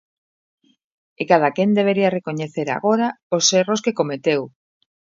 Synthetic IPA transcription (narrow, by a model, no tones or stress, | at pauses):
ekað̞akend̪eβ̞eɾiarekoɲeθeɾa̰ɣoɾaoseroskekomet̪ew